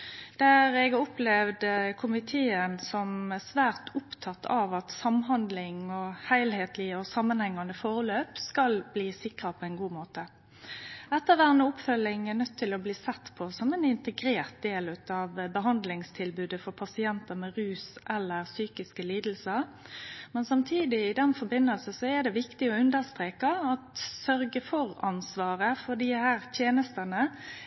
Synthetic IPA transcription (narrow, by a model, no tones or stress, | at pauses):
d̪̥æʁɛɡɔplɛʋd̪əkʰʊmɪt̪ʰeːənsɔmsʋæːʁt̪ʊpt̪ʰɑt̪ʰːɑʋɑt̪sɑmɦɑnd̪lɪŋɔhæɪlheːt̪lɪɔsɑmːənhɛŋːɑnəfoːʁəløːpskɑlbliːsɪkʁɑpʰɔɛnɡuːmoːt̪ə | ɛt̪ːəʋæːʁənəɔpfœlɪŋæʁnœt̪ʰːɪlɔbliːsɛt̪ːpʰɔsɔmɛnɪnt̪əɡɾeːʁt̪̚d̪eːlʉt̪ɑʋbəɦɑnd̪lɪŋst̪ʰɪlbʉːd̪əfɔʁpʰɑsɪɛnt̪əmɛʁʉːsʔɛlːəʁsyːkɪskəliːd̪l̩səʁmɛnsɑmt̪ʰiːd̪ɪɪd̪ɛnfɔbɪnəlsəsɔɛd̪ɛʋɪkt̪ɪɔʉnd̪əʁst̪ʁeːkɑɑt̪sœɾɡəfɔʁɑnsʋɑːʁəfɔd̪iːhæːʁt̪ʰjeːnəst̪ənə